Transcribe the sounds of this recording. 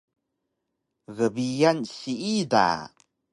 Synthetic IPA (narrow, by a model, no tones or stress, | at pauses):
ɣəbijanɕiida̰